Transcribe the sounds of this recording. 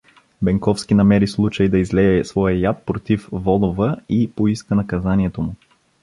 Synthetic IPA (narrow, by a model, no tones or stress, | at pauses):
bɛŋkɔfskinɐmɛɾislˠut͡ʃəjd̪ɐizlɛɛsvɔjəjat̪̚pɾot̪ifvɔd̪ovəipoiskənɐkɐzanʲiɛt̪omʊ